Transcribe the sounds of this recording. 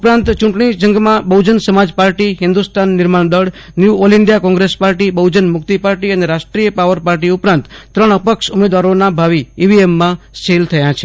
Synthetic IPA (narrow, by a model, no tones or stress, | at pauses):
upɾãnt̪t͡ʃũʈɳ̃id͡ʒəŋɡmãbəwd͡ʒənsəmad͡ʒpaɾʈiɦɪnd̪ust̪anːɪɾmaɳd̪əɽ | njuoliɳɖijakɔ̃ŋɡɾespaɾʈibəwd͡ʒənmʊk̚t̪ipaɾʈiəneɾaʃʈɾijəpaʋəɾpaɾʈiʊpɾãnt̪ːɾəɳəpəkʃʊmed̪ʋaɾonabʱaʋiːʋiemːã | sʈʰelt̪ʰəjãt͡ʃʰe